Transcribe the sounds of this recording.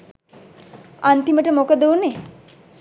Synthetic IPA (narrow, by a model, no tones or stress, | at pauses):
ant̪iməʈəmokəd̪uːne